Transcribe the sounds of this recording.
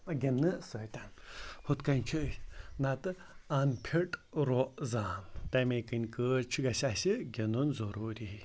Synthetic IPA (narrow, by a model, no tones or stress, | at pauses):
ɡʲenːɨsɐːt̪ʲanhut̪kɐnʲt͡ʃʰɨnat̪ɨ | ɐnpʰiʈɾoʔzaːnt̪ɐmekɨnʲkət͡ʃʰiɡɐsasiɡʲenunzɐɾuːɾi